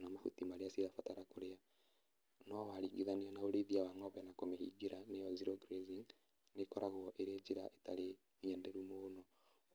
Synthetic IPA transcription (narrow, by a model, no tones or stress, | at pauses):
namafutimaɾeasiðafataɾakoɾea | nɔwaɾiɡiðaneɔnaoɾeðiawaŋɔβɛnakomehḭɡiɾanejɔziɾɔɡɾeziŋ | nekɔɾʔaɣwɔʔeɾeed͡ʒiɾaʔetaɾe | miɛndɛɾumonɔ